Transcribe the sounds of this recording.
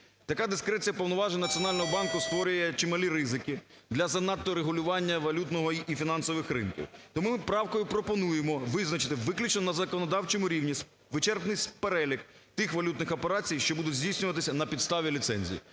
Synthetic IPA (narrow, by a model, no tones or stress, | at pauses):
t̪ɐkɑd̪ɪskɾɛt͡sʲijɐpɔwnɔʋɑʒnʲɐnɐt͡sʲiɔnɑlʲnɔɦɔbɑnkʊst̪ʋɔɾʲʊjɛt͡ʃemɐlʲiɾɪzɪkʲi | d̪lʲɐzɐnɑt̪ːɔɾeɦʊlʲʊʋɑnʲːɐʋɐlʲut̪nɔɦɔifʲinɑnsɔʋɪxɾɪ̰nkʲḭwt̪ɔmumɪpɾɑwkɔjʊpɾɔpɔnujemɔʋɪznɐt͡ʃɪ̥t̪ɪʋɪklʲʊt͡ʃnɔnɐzɐkɔnɔd̪ɑwt͡ʃemʊɾʲiwnʲis | ʋɪt͡ʃɛrpnɪjsʲpeɾɛlʲik | t̪ɪxʋɐlʲut̪nɪxɐpeɾɑt͡sʲijʃt͡ʃɔbud̪ʊzʲdʲijsʲnʲʊʋɐt̪ɪsʲɐnɐpʲid̪st̪ɑʋʲilʲit̪sɛnʲzʲḭjḭ